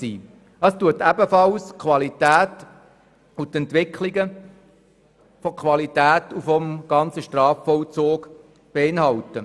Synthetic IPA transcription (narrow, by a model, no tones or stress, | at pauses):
sḭː | ɑstuətæbəfɑlskʰwɑlitæːt | ut̪ɛntʋɪkʰliɡə | fɔkʰwɑlitæːtufɔmɡ̥ɑnt͡səʃtrɑːfːɔlt͡soːɡ | b̥eɪnhɑltə